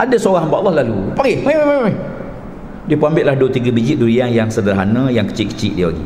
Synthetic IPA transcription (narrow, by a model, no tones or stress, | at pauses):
ʔadasoɣaɦmbaʔlːɔhlalupaipappapa | diəpəambɪʔ̪lahduət̪iɡabid͡ʒiʔ̚duɾianjaŋsədəlaɦanə̃jaŋkə̥t͡ʃɪʔkə̥t͡ʃɪʔ̚diəlaɡḭ